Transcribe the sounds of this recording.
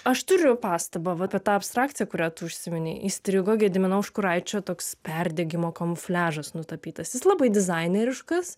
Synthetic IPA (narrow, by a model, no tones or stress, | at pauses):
ɐʃt̪ʊɾʲʊpɑːst̪ɐbɑʋɐpʲɛt̪ɑːɐpst̪ɾɑːkt̪sʲɪjɛkʊɾʲæːt̪ʊʊʃʲsʲɪmʲɪnʲɛɪʔisʲt̪ʲɾʲiɡoːɡʲɪjɛd̪ʲɪmʲɪnɐʊʊʃkʊɾɐɪt͡ʃʲoːt̪oːkspʲɛrʲd̪ʲɛːɡʲɪmoːkɐmʊfʲlʲæːʒɐsnʊt̪ɐpʲiːt̪ɐsjɪslˠɑbɐɪd̪ʲɪzɐɪnʲeɾʲɪʃkɐs